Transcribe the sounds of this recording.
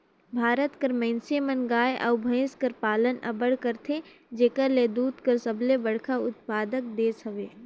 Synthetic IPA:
bʱaːɾət̪kəɾmɛ̃ːnsemənɡaːjeʔɐ̰ʊbʱə̃ɪ̃skɐɾpaːlənʔɐ̰bəɽkəɾt̪ʰe | d͡ʒeːkəɾleːd̪uːt̪kəɾsɐblebɐɽkʰaʊt̪̚paːd̪ək̚d̪eːsəʋeː

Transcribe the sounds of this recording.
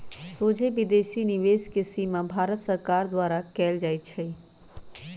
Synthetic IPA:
soːd͡ʒʱebɪd̪eːʃinɪʋeːskesimãbʱaːɾət̪sɐɾkaːɾd̪waːɾakɛːld͡ʒaːit͡ʃʰɛ

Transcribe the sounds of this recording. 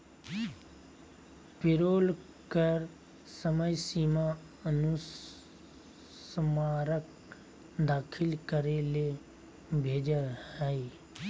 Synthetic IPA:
pɪɾoːl | kəɾ | səməjsiːma | ənu | smaːɾək̚ | d̪aːkʰɪlkəɾele | bʱeːd͡ʒəhɛi

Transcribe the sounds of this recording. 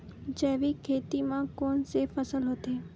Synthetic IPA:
d͡ʒeːʋikʰeːt̪imãkoːnsefəsəlɦot̪eː

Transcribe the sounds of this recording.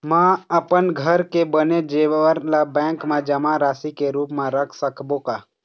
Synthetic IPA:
mãəpənɡʱəɾkebəned͡ʒeːʋəɾlabɛ̃ːŋkmẽd͡ʒəmãɾaːsikeɾuːpmẽɾəkʰsəkbokaː

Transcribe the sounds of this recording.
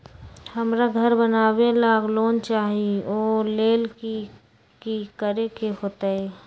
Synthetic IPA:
həmɾaɡʱəɾbənaːbelaɡloːnt͡ʃaːɦioːleːlki | kikəɾekeɦoːt̪aɦɛ

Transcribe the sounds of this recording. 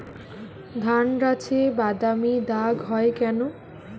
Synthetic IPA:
d̪ʱanɾat͡ɕʰebad̪amid̪aɡɦɔekɛno

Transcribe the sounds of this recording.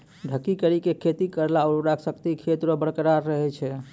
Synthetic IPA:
ɖʱəkːikəɾikekʰet̪ikəɾlaɔɾuɾakʰsəkt̪ikʰet̪ɾobəɽkəɾaɾːəɦɛt͡ʃʰɛ

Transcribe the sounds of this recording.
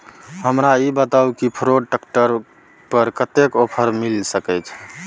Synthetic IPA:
ɦəmɾaibət̪aukipʰɾoɖ̚ʈəkʈəɾ | pəɾkət̪ekopʰəɾmilsəkəjt͡ʃʰ

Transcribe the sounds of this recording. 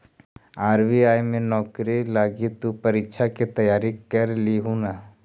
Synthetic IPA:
aːɾʋiaːjmẽnɔːkɾilaːɡit̪upɐɾɪkːʃʰaket̪ɐjaːɾikɐɾliɦuna

